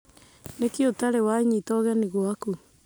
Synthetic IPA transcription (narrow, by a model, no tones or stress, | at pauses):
nekeotaɾewaiɲitɔɣɛniɣoaku